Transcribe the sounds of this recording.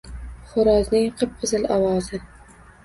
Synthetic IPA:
χʊɾɒznɪŋqʰɨp̚qʊzɪlɒwɒzɪ

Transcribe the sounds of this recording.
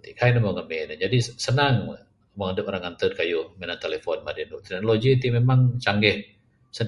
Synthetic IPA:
t̪iʔkajnəmoŋəmenad͡ʒadisənaŋ | məŋadəpoɾaŋant̪ədkajumenant̪elefɔnmadinuʔt̪ɛk̚noloɡit̪imemaŋt͡ʃaŋɡɛh | sə

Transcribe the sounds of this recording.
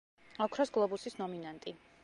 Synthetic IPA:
ɔkʰɾɔsɡlˠɔbusisnɔminant̪ʼi

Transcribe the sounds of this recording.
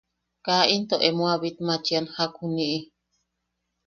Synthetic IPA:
kaint̪oʔemoaβit̪mat͡ʃianhakʰuniʔi

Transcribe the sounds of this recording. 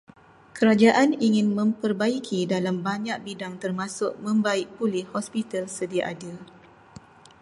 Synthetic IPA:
kəɾad͡ʒaʔaniŋɪnmə̃mpərbaikʰidalambaɲãk̚bidaŋt̪ərmãsʊʔ̚mə̃mbaɪʔ̚pulɪhhɔspit̪alsədiaʔada

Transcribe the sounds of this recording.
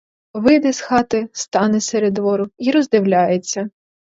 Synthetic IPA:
ʋɪd̪ɛsxɑt̪ɪst̪ɑnɛseɾed̪ʋɔɾʊiɾɔzd̪ɪwlʲɑjet͡sʲːɐ

